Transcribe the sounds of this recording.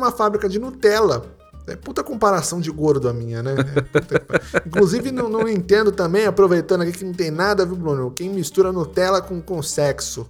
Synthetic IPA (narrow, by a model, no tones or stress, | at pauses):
ũmɐfabɾikɐd͡ʒɪnut̪ɛlɐ | ɛ̰put̪ɐkõpaɾasɐ̃w̃d͡ʒɪɡoɾd̪ʊɐmĩɲɐnɛput̪ɐkpĩŋkluzivɪnɐ̃w̃nɐ̃w̃ẽnt̪ẽnd̪ʊt̪ɐ̃mbẽj̃apɾovejt̪ɐ̃nd̪ʊakikɪnɐ̃w̃t̪ẽj̃nad̪ɐviwblõnʊkẽj̃mist̪uɾɐnut̪ɛlɐkõkõsɛksʊ